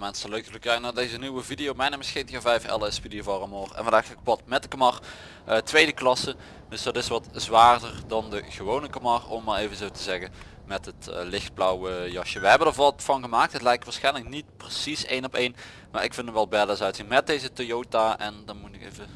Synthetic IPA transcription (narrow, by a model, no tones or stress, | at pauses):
mɛnsəløɥkələkɛjnaːdejzəniwəvidijowmɛjneməsxeːntəɣəvɛjfɛ̰lˠɪsfidijovɑrəmoːrɛ̰nvɑndaːxaːkpʋɑtmɛt̚dəkamɑr | ətʋejdəklɑsə | dɵsdɑtɪsʋɑtzʋaːrdərdɑndəɣəʋownəkamɑrɔmːaːlejvənzoːwtəzɛɣə | mɛtɦətəlɪxt̚blɔwəjɑʃəʋəɦɛbəndəɹʋɑtfɑnɣəmaːk̚tɦətlɛjk̚tʋaːsxɛjnləknit̚prəsisejnɔpejn | maːɹɪkfɪndəmʋɛlˠbɛdəsœɥtzinmɛt̚dejzətojowtaʔɛndɑnmutɪkḛjvə